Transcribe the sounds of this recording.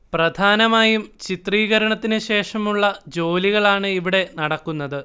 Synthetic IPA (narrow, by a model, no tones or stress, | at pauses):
prɐd̪ʱaːnɐmaːjumt͡ɕit̪riːɣɐɾɐɳɐt̪ːinɨɕe̞ːʂɐmuɭːɐd͡ʑo̞ːliɣɐɭaːɳɨiʋiɽe̞nɐɽɐkːunːɐðɨ